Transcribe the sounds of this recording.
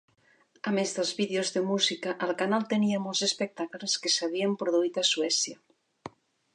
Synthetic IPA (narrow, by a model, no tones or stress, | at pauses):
amezðelˠzβiðeozðemuzikaʔːlˠkanalˠt̪eniamolzespek̚t̪akleskesaβ̞iəmpɾoðuit̪aswɛsja